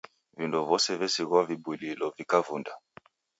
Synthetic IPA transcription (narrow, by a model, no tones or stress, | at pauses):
vindɔvɔsɛvɛsiɣavibwililɔvikavunda